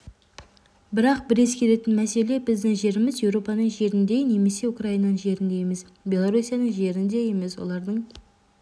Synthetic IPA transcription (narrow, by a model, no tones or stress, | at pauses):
bɪɾɑq̚bɪɾe̞skʲʰe̞le̞t̪ɪnmæse̞le̞bɪzd̪ɪŋʒe̞ɾɪmɪzje̞wɾo̞pɑnəɴʒe̞ɾɪnd̪e̞ne̞me̞se̞ʊkraijnɑnəŋʒe̞ɾɪnd̪e̞jemes | bʲe̞lˠoɾusijanəɴʒe̞ɾɪnd̪e̞je̞me̞swo̞̰lˠɑɾd̪əɴ